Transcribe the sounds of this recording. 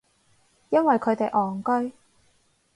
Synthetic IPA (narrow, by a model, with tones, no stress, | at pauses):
jɐ˥nwɐ˨jkʰɵ˨˧ɥt̪e˨jʔɔː˨ŋkɵ˥ɥ